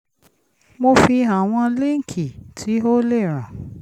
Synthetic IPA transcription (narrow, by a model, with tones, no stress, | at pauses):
mo˧fi˧a˨w̃ɔ̃˧le˦ŋ̩˦˨kʰi˨tʰi˨˦o˦le˦˨ɾ̃ã˨